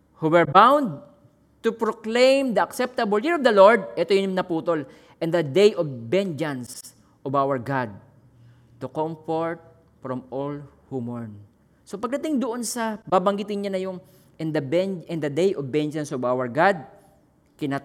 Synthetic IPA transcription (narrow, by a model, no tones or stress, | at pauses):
huwɛɹbãwnd̪̚ | t̪upɹoklẽjmd̪ɐɐksɛp̚t̪ɐbɐljiɹovd̪ɐloɹd̪̚ʔɛt̪ojʊnɐpuːt̪ol | ʔɛ̃nd̪ɐd̪ejʔovbɛnd͡ʒɐ̃ns | ʔɔvawɐɹɡad̪̚ | t̪ukomfoɹt̪̚ | fɹɔmolhumoɹn | sopɐɡ̚d̪ɐt̪ɪŋd̪oʔonsɐbaːbɐŋɡɪt̪ɪnɲanɐjoŋ | ʔɛnd̪ɐbɛnd͡ʒɛ̃nd̪ɐd̪ejʔovbɛnd͡ʒɐnsɔvawɐɹɡad̪̚ | kɪna